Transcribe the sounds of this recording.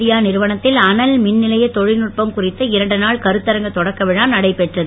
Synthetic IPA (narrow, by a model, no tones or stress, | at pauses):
ɪjaːnɪɾɯʋɐɳɐt̪ːɪlɐnɐlmɪnːɪlɐjɐt̪ːɔɻɪnɯʈ̚pɐmkʊrɪt̪ːɐɪɾɐɳɖɯnaːɭkɐɾɯt̪ːɐɾɐŋɡɐt̪ːɔɽɐkːɐʋɪɻaːnɐɽɐɪpːɛʈrɐðɯ